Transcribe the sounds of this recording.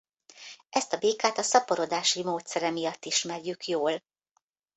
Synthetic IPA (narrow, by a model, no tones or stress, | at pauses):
ʔɛst̪ɒbeːkaːt̪ɒsɒpoɾo̞d̪aːʃimoːt̪sɛɾɛmijɒt̪ːiʃmɛrjykjoːl